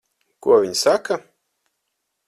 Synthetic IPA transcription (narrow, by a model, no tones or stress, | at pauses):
kuɔvʲiɲsaka